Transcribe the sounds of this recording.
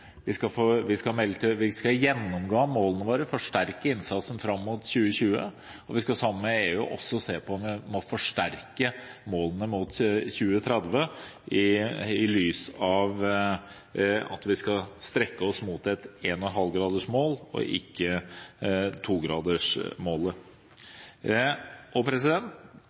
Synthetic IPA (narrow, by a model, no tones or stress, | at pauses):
ʋɪskɑfoːʋɪskɑmɛlət̪ɪʋɪskɑjɛnːɔmɡoːmoːlənəʋoːɾəfɔʂʈæɾkəɪnsɑt̪sən̩fɾɑmːuːt̪çʉːəçʉːə̰ | ɔʋɪskɑsɑmːəːəeːʉːʔɔ̰sːɔseːpʰɔɔnʋɪmɔfɔʂʈæɾkəmoːlənəmuːt̪çʉːət̪ʰɾɛd̪ʋəɪɪlyːsɑʋ | ɑ̰t̪ʋɪskɑst̪ɾɛkːəɔsmuːt̪ɛt̪eːnɔnɦɑlɡɾɑːd̪əʂmoːlɔ̰ʔɪ̰kːə | t̪ʰuːɡɾɑːd̪əʂmoːlə | ʔɔpʰɾɛs̬ɪd̪ɛnt̪